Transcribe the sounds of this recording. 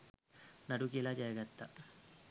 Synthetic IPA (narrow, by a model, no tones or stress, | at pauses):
nadukilad͡ʒajəɡat̪ːa